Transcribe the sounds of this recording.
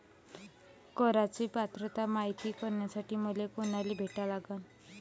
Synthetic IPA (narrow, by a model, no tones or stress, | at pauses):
kɔɾat͡sipat̪ɾɔt̪amajt̪ikɔɾnjasaʈimolekonalibʱeʈalaɡan